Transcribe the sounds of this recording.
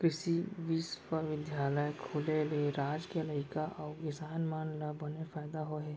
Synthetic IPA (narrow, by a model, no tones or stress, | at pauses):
kɾɪʃiʋiːspəɾʋɪd̪jaːləjkʰʊlelieɾaːd͡ʒkeləɪkaʔɔːkɪsaːnmaːnləːɐnefaːɪd̪aɦoɦɛː